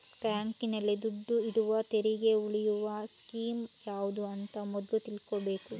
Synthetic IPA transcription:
kaːŋkinɐlːid̪uɖːuiɽuʋɐt̪eɾiɡe̞uɭijuʋɐskiːmjaːʋud̪uɐnt̪ɐmɔd̪lut̪ilkobe̞ːku

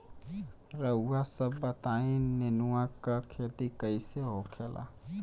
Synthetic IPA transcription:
ɾəuːasəbːət̪ainenuwakakʰeːt̪ikəɪseɦokʰelʔa̰

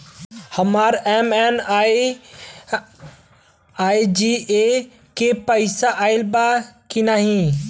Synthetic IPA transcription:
həmaːɾɛmɛn | aːid͡ʒie | kepəɪsaʔaːɪlbakinaɦĩ

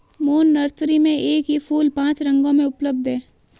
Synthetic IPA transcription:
moːnːɐɾt̪ʰɾimẽʔeːkɦifʰuːlpãːt͡ʃɾɐ̃ŋɡõmẽʊpləb̚d̪ʱɦɛː

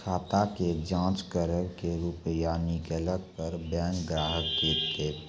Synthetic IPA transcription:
kʰaːt̪aked͡ʒãːt͡ʃkəɾəɾkeɾupjaːnikeləɡ̚pəɾbɛ̃ːŋkɡɾaːɦəkːeːt̪e

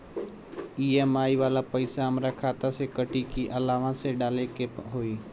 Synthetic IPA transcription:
iemaːiʋaːlapəɪsaɦəmɾakʰaːt̪asekəʈikiʔəlaːʋãseɖaːlekeɦoiː

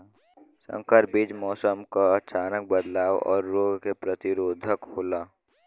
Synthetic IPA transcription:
sə̰̃ŋkəɾbiːd͡ʒmɔːsəmkaət͡ʃaːnək̚bəd̪laːwɔ̰ːɾːoːɡkepɾət̪ɪɾoːd̪ʱəkhoːlaː

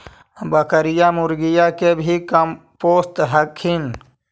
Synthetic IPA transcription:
bəkəɾijamʊɾɡijakebʱikəm | poːst̪ɦəkʰhin

